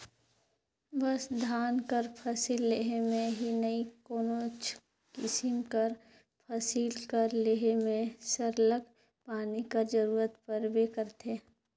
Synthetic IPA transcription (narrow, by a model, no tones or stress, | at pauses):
bəsd̪ʱaːnkəɾpʰɐsilːeɦemẽɦinəikoːnot͡ʃ | kɪsɪmkəɾ | pʰəsiːlkəɾleːɦemẽsəɾləɡ | paːnikɐɾd͡ʒəɾuːɾət̪pəɾbekəɾt̪ʰeː